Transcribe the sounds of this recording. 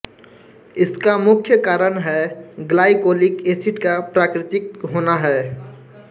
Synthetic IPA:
ɪskamʊkʰjəkaːɾənɦɛɡlaːɪkoːlɪkeːsɪʈkapɾaːkɾɪt̪ɪk̚ɦoːnaɦɛː

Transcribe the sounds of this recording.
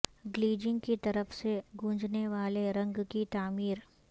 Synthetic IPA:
ɡliːd͡ʒɪ̃ŋɡkit̪ɐɾəfseɡʱũːd͡ʒneʋaːleɾɐ̃ŋɡkit̪aːmiːɾ

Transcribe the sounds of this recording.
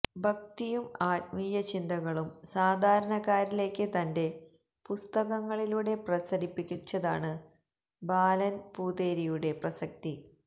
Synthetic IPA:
bʱɐk̚t̪ijumaːt̚miːjɐt͡ɕind̪ɐɣɐɭumsaːd̪ʱaːɾɐɳɐkaːɾile̞ːkːɨt̪ɐnde̞ | pust̪ɐɣɐŋːɐɭiluːɽe̞prɐsɐɾipːikʲːut͡ɕːɐða̰ːɳɨ | baːlɐnpuːd̪e̞ːɾijuɽe̞prɐsɐk̚t̪i

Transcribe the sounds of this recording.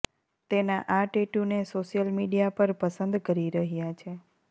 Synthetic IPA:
t̪enaʔaʈeʈunesoʃjəlmiɖijapəɾpəsənd̪kəɾiɾəɦijat͡ʃʰe

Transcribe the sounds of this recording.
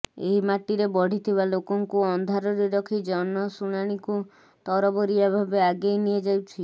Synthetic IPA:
ḛɦimaʈiɾebɔɽ̤ʱit̪ʰiβalokɔŋkuɔnd̪ʱaɾɔɾeɾɔkʰid͡ʒɔnɔsuɽ̃aɽ̃iku | t̪ɔɾɔbɔɾiabʱabeaɡejnied͡ʒawt͡ʃʰi

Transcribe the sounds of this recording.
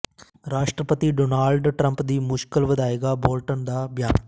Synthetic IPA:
ɾaːʃʈɾəpət̪iɖoːnaːlɖʈɾə̃mpd̪iːmʊʃkəlʋɐd̪aːeːɡaboːlʈənd̪abjaː

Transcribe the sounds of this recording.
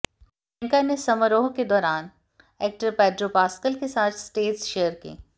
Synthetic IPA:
ɛ̃ŋkanesɐməɾoːɦked̪ɔːɾaːn | eːk̚ʈəɾpɛːɖɾopaːskəlkesaːt̪ʰsʈeːʈsʃejəɾkḭː

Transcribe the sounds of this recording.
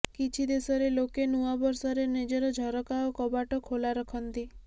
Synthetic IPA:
kit͡ʃʰid̪esɔɾelokenuabɔɾsɔɾened͡ʒɔɾɔd͡ʒʱɔɾɔkaɔkɔbaʈɔkʰolaɾɔkʰɔnt̪i

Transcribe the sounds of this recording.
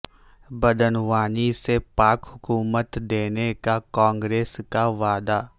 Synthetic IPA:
bɐd̪ənʋaːnisepaːkɦʊkuːmət̪d̪eːnekakɔ̃ːŋɡɾeːskaʋaːd̪aː

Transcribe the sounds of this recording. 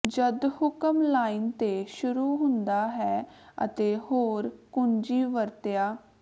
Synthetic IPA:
d͡ʒəd̪hʊkəmlaːint̪eːʃʊɾuːɦʊ̃nd̪aːɦɛːə̰t̪eːhoːɾkʊnd͡ʒiːʋəɾt̪ejaː

